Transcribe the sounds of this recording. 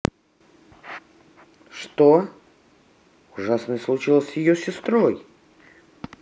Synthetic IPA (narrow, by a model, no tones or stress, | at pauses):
ʂt̪o | ʊʐasnəjslˠʊt͡ɕilˠəsʲjɪjosʲɪst̪ɾoj